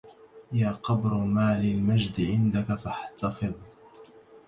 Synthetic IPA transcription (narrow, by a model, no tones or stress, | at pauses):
jaːqɑbɾmaːlɪlmad͡ʒd̪ʕɪnd̪akafaħt̪ɑfɨðˤ